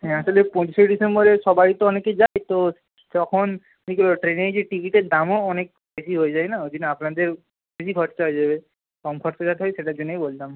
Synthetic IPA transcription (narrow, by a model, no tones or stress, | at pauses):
ɦɛ̃asɔlepɔ̃t͡ɕisɔjɖisembɔɾesɔbaɾit̪oɔnekezajt̪o | d͡ʒɔkʰɔn | nikoloʈɾeneɾzeʈikiʈeɾd̪amɔːnek̚ | besiɦojzajnaod̪inapnad̪eɾ | besiɡʱɔʈt͡ʃaɦojd͡ʒabe | kɔmkʰɔʈsɔʃat̪ʰeɦɔjseʈad͡ʒɔnejbolt̪am